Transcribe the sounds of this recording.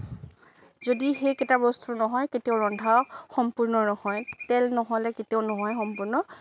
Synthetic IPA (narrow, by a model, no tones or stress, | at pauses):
zodixejkɛtabɔstunɔɦɔjketiɔwɹɔndʱawxɔmpuɹnɔnɔhɔjtɛlnɔɦɔlɛketionɔɦɔjxɔmpuɹnɔ